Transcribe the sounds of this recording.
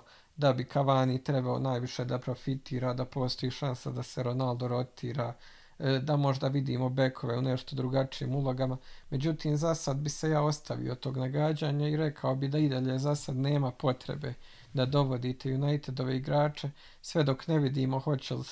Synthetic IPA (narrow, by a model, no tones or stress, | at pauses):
d̪abikʰaʋaːnit̪ɾe̞bao̰naːjʋiʃe̞d̪apɾo̞fit̪iːɾaːd̪apo̞ːst̪ojiːʃansad̪aseɾo̞nalˠd̪o̞ɾo̞t̪ʰiːɾaː | d̪amo̞ʒd̪aʋid̪ḭːmo̞be̞kʰo̞ʋeune̞ʃt̪o̞d̪ɾuɡat͡ʃijḭːmulˠo̞ɡamame̞d͡ʑut̪iːmzasad̪bise̞jaːo̞st̪ʰaʋḭjo̞t̪o̞ːɡnaɡad͡ʑaːɲaiɾe̞kʰaobid̪aid̪aʎezasad̪ne̞ːmapo̞t̪ɾḛbe̞̰ | d̪ad̪o̞ʋo̞d̪iːt̪e̞junajt̪ed̪o̞ʋe̞iɡɾaːt͡ʃe̞ | sʋe̞d̪o̞kneʋid̪iːmo̞ho̞t͡ɕeli